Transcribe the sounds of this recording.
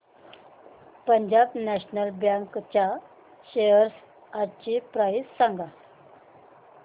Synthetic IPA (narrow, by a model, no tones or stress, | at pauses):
pəɲd͡ʑabnɛɕnəlbjãŋkt͡ɕa | ɕejəɾs | aɾt͡ɕipɾajssãŋɡa